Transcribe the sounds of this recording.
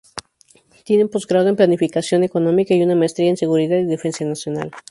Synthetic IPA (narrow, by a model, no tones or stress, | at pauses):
t̪je̞nempo̞zɡɾaðoemplanifikasjo̞ne̞ko̞nõ̞mikaiunamaest̪ɾiaense̞ɣuɾiðaðiðe̞fe̞nsjanasjo̞na̰l